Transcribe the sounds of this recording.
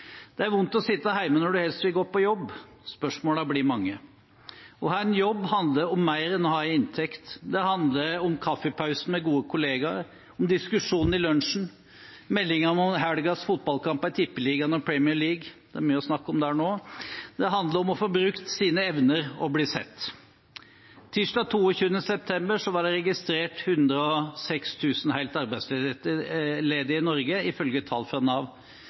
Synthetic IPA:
d̪̥ɛæɾʋʊnt̪ɔsɪt̪ːəɦæɪmənɔɖʉhɛlst̪ʋɪlɡoːpɔjɔbː | spœʂmoːləbliːmɑŋːə | ɔhæːɾnjɔbːɦɑnd̪ləɾɔmːæɪɾɛnɔhɑːæɪnt̪ʰɛkt̪d̪ɛhɑnd̪ləɾɔmkʰɑfːəpʰɑʉsn̩mɛɡuːəkʰʊleːɡɑɾ | ɔmd̪ɪskʉʂuːnn̩ɪlœnʂn̩ | mɛlːɪŋɑnɔmɦæɽɡɑsfʊt̪̚bɑlkʰɑmpæɪt̪ʰɪpːəliːɡɑnɔpʰɹɛmɪəɭiːɡd̪̥ɛæɾmyːəɔsnɑkːɔmd̪ɛhæːɳoːd̪ɛɦɑnd̪ləɾɔmɔfoːbɾʉkt̪siːnəɛʋnəɾɔbliːsɛ̰t̪ː | ɪʂɖɑt̪ʰuːɔçʉːənəsɛp̚t̪ʰɛmbəɾʂɔʋɑɖɛɾɛɡɪst̪ɾeːʈhʉnd̪ɾəɔsɛkst̪ʰʉːsn̩hæɪlt̪ɑɾbæɪsl | leːd̪əɪnɔɾɡəɪfœlɡət̪ʰɑ̰ːlfɾɑnɑʋ

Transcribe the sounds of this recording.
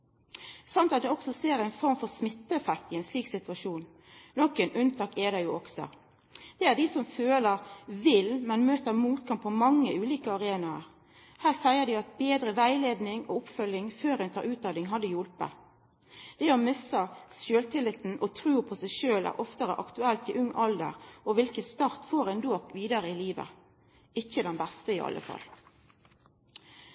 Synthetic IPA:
sɑnt̪ɑt̪̚d̪ɛɔksɔseːɾæɪnfɔɾmfɔʁsmɪt̪ːəɛfækt̪ɪɛɪnsliːksɪt̪ʉɑʃuːn | nɔkənʔʉnt̪ʰɑːkɛd̪ɑjʊʔɔksɔ̰ | d̪̥ɛæːd̪isɔmføːləɾʋɪlmɛnmøːt̪əɾmuːt̪̚kʰɑmppʰːɔmɑŋːəʉːliːkəɑʁeːnɑəɾ | hæːʁsæɪəʁd̪iɑt̪̚beːd̪ɾəʋæɪleːd̪nɪŋoːʊpfœlːɪŋføːʁɛnt̪ʰɑɾʔʉːt̪̚d̪ɑd̪ɪŋɦɑd̪ːəjʊlpə̰ | d̪̥ɛɔmʏsəsøːlt̪ʰɪlɪt̪n̩ʔɔt̪ʰʁʉːpʰɔsæɪʃøːlæ̰ʔɔft̪əɾə̰ʔɑkt̪ʉɛlt̪ɪʔʉŋːʔɑld̪ə̰ʁɔʋɪlkəst̪ɑːʁt̪foːʁɛnd̪oːkʋiːd̪ɑɾəɪliːʋə̰ | ɪçəd̪ɛnbɛst̪əɪɑ̰lʔə̰fɑ̰l

